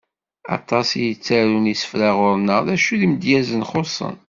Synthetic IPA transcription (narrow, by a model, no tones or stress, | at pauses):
ɑ̰t̪ˤːɑsjət͡sːæɾunisə̥fɾæʁʊɾnəʁðæʃuðiməd̪jæzənχosˤə̰n